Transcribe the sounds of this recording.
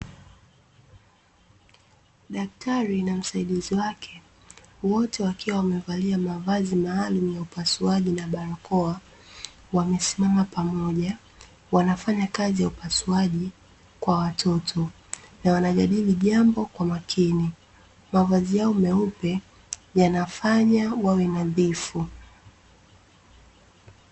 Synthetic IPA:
ɗak̚tʰaɾinam̩saiɗiziwakʰɛ | wɔtɛwakiwawamɛvaliamavazimaːlumujaupasuaʄinaɓaɾakɔa | wamɛsimamapamɔʄa | wanafaɲakazijaupasuaʄi | kwawatʰɔtʰɔ | nawanaʄaɗiliʄambɔkwamakʰini | mavazijaɔmɛupɛ | janafaɲawawɛnaðifu

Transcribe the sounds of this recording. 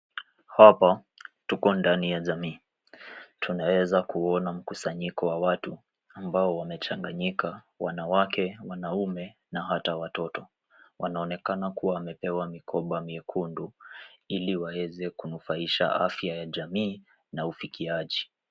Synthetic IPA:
hapa | tukɔndanijaʄamiː | tʰunawɛzakuɔnam̩kusaɲikɔwawatu | ambaɔwamɛt͡ʃaŋɡaɲika | wa̰nawakʰɛwanaumɛ | naɦatawatɔtɔ | wʔanaɔnɛkanakuwaːmɛpɛwamikʰɔɓamiɛkʰunduiliwawɛzɛkunufaiʃa̰ʔa̰fjajaʄamiː | naufikiaʄi

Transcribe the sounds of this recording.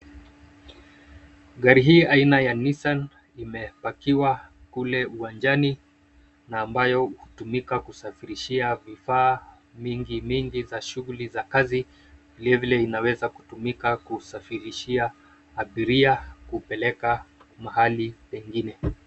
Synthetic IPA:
ɠaɾiɦiːainajanisan | imɛpakiwakulɛuwand͡ʒani | naːmbajɔhutumikakusafiɾiʃiavifaː | miŋɡimiŋɡizaʃuɣulizakazi | vilɛvilɛinawɛzaku̥tumikakusafiɾiʃia | aɓiɾiakupɛlɛkamaɦalipɛŋɡinɛ

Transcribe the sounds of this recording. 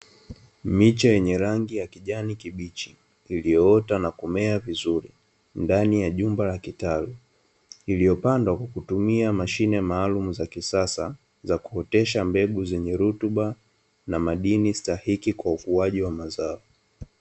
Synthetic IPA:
mit͡ʃajɛɲɛɾaŋɡijakiʄanikiɓit͡ʃiː | lijɔɔtanakumɛavizuɾi | ndanijaʄumbalakitalu | ilijɔpandwakwakutumiamaʃinɛmaːlumuzakisasa | zaku̥ɔtɛʃambɛɡuzɛɲɛɾutuɓa | namaɗinistahikikwaukuaʄiwamazaɔ

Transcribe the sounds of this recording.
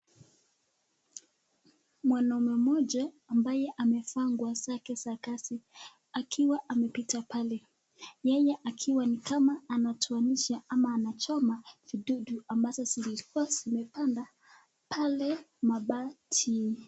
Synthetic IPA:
mwanaumwɛmɔʄa | ambajɛʔamɛfaŋɡwazakɛsakasi | akʰiwaʔamɛpitapalɛ | jɛjɛʔakʰiwanikamaːnatʰuaniʃaamaːnat͡ʃɔmaviɗuɗuambazɔsilikuazimɛpanda | pʰalɛmaɓatʰi

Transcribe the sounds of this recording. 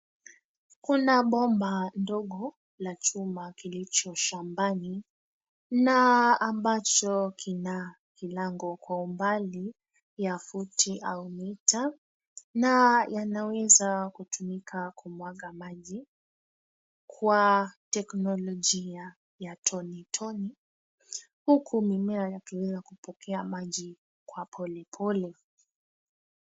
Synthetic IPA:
kunaɓɔmbandɔɠɔ | lat͡ʃumakilit͡ʃɔʃambani | naːmbat͡ʃɔkʰina | kilaŋɡɔkwaumbali | jafutʰiʔaumita | najanawɛzakutumikʰakumwaɠamaʄi | kwatɛknɔlɔʄia | jatʰɔnitʰɔni | hukʰumimɛajakiwɛzakupɔkʰɛamaʄi | kwapʰɔlɛpʰɔlɛ

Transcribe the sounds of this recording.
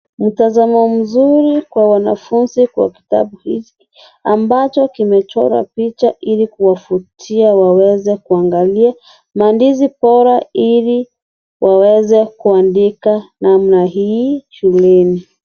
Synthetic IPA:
m̩tazamɔm̩zuɾikwawanafunzikwa̰ki̥ta̰ɓuhit͡ʃi | ambat͡ʃɔkimɛt͡ʃɔ̰ɾa̰pit͡ʃaʔilikuwafutʰiawawɛzɛkuaŋɡalia | mandizipɔɾaili | wʔawɛzɛkuandikanamnaɦiːʃulɛni

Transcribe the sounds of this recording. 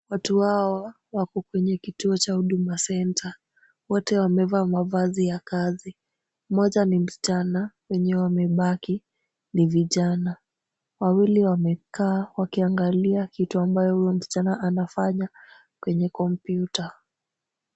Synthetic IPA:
watuhawa | wakɔkwɛɲɛkituɔt͡ʃahuɗumasɛntʰa | wɔtɛwamɛvamavazijakazi | mɔʄanim̩si̥t͡ʃanawɛɲɛɛwamɛɓaki | niviʄana | wawiliwamɛkʰaːwakiaŋɡaliakituambajɔhujɔm̩si̥t͡ʃanaʔanafaɲa | kwɛɲɛkɔmpjuta

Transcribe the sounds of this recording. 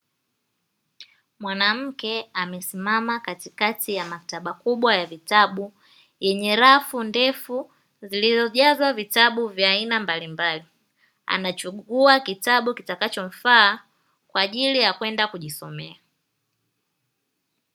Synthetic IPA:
mwanam̩kɛamɛsimamakatikatijamaktaɓakuɓwajavitaɓu | jɛɲɛɾafundɛfu | zilizɔʄazwavitaɓuvjaːinambalimbali | a̰nat͡ʃuɡuakitaɓukitakat͡ʃɔɱ̩faː | kwaʄilijakwɛndakuʄisɔ̰mɛa

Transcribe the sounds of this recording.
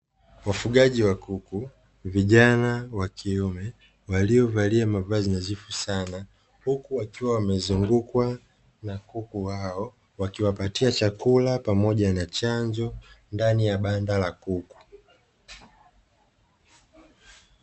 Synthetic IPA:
wafuɡaʄiwakuku | viʄanawakʰiɔmɛ | waliɔvaliamavazinazifusana | hukuwakiwawamɛzuŋɡukwa | nakukuhaɔ | wakiwapatiat͡ʃakulapamɔʄanat͡ʃaɲd͡ʒɔndanijaɓandalakuku̥

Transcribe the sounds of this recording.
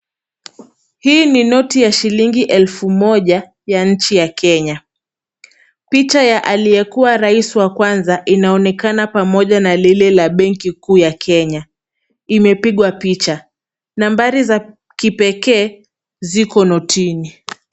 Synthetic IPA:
hiːninɔtijaʃiliŋɡiʔɛlfumɔʄa | jaɲ̩t͡ʃijakɛɲa | pit͡ʃajaʔalijɛkuwaɾaisiwakwanzaʔinaɔnɛkanapamɔʄanalilɛlaɓɛŋkikuːjakʰɛɲa | imɛpiɠwapit͡ʃa | nambaɾiza | kipɛkɛː | zikɔnɔtʰini

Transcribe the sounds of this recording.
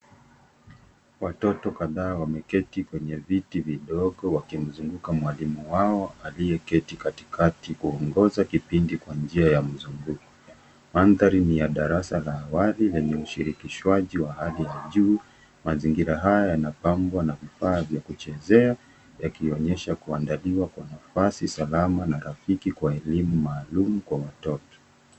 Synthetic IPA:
watɔtɔkaðaːwamɛkɛtikwɛɲɛvitiviɗɔɠɔwakim̩zuŋɡukamwalimuwaɔalijɛkɛtikati̥kʰatikuɔŋɡɔzakipindikwand͡ʒiajam̩zuŋɡuku̥ | manðaɾinijaɗaɾasalaːwalilɛɲɛuʃiɾikiʃwaʄiwahalijaʄuː | maziŋɡiɾaɦajajanapambwanavifaːvjakut͡ʃɛzɛa | jakiɔɲɛʃakuandaliwakwanafasisalamanaɾafikikwaɛlimumaːlumukwawatɔtɔ̥

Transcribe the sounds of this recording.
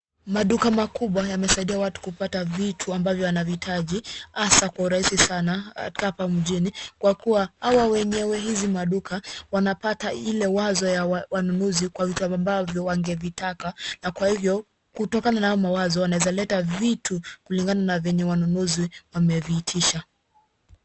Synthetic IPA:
maɗukamakuɓwajamɛsaiɗiawatu̥kupatavitʰuambavjɔwanavitʰaʄihasakwauɾaisisanaa̰̥kahapam̩ʄinikwakuwahawawɛɲɛwɛɦizimaɗukawanapatailɛwazɔjawanunuzikwavituambavjɔwaŋɡɛvitakanakwahivjɔ | kutɔkananahaɔmawazɔwanawɛzalɛtavitʰukuliŋɡananavɛɲɛwanunuziwamɛviːtʰiʃa

